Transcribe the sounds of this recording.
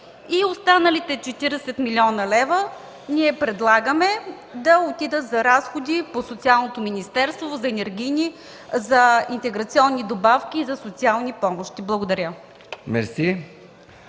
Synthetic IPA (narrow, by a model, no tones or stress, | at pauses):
iost̪anəlit̪ɛt͡ʃɛt̪iɾɛsɛt̪milʲiɔnɐlɛvə | niɛpɾɛd̪lˠaɡəmɛ | d̪ɐot̪id̪ət̪zɐɾasxod̪iposot̪sialˠnot̪ominist̪ɛɾst̪vozɐɛnɛɾɡʲinʲi | zɐint̪ɛɡɾɐt̪siɔnːid̪obafkʲiːzɐsot̪sialˠnipɔmoʃt̪iblˠɐɡod̪ɐɾʲə | mɛɾsi